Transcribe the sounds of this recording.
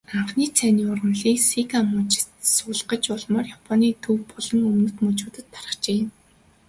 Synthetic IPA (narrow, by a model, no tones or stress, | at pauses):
aɴχniːt͡sʰæniːʊrə̆nɮiːksikamʊt͡ɕɪ̥t̪sʊːɮɢə̆t͡ɕʊɮmɔːrjapʰɔniːt̪ʰɵwpɔɮɞ̆ŋɵmnɵ̆t̪mɵt͡ɕuːt̪ə̆t̪̚pʰarə̥̆χt͡ɕeːjə̆n